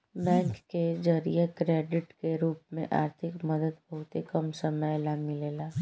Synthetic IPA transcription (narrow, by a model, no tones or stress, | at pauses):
bɛ̃ːŋkːed͡ʒɐɾḭjekɾeːɖɪʈkeɾuːpmẽʔa̰ːɾt̪ʰɪkmɐd̪əd̪bɐɦʊt̪ekɐmsɐməjlamɪleːlaː